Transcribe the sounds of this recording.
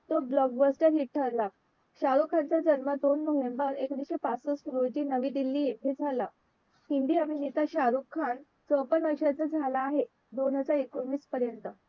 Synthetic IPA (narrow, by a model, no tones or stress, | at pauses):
t̪oblɔɡbəsʈəɾɦiʈʈʰəɾla | ɕaɾukʰːant͡sad͡ʑənməd̪onməɦʋembəɾekd̪iɕepat͡səspuɾod͡ʑiːnəʋiːd̪ilːiːeʈ̪ʰed͡zʱala | hind̪iaminit̪aɕaɾukʰːaɳ | t͡səwpənʋəɾʂat͡sad͡zʱalaːɦe | d̪onɦəd͡zaɾekonʋiːspəɾjənt̪ə